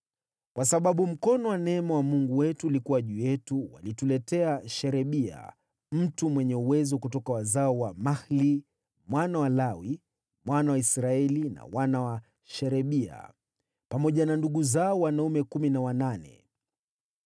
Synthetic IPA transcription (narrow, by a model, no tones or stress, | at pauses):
kwasaɓaɓum̩kɔnɔwanɛɛmawamuŋɡuwɛtuːlikuwaʄujɛtuwa̰litulɛtɛaʃɛɾɛɓia̰ | m̩tumwɛɲɛuwɛzɔkutɔkawazaɔwamahli | mwanawalawi | mwanawaisɾaɛlina̰wanawa | ʃɛɾɛɓia̰ | pamɔʄananduɠuzaɔwanaumɛkuminawananɛ̰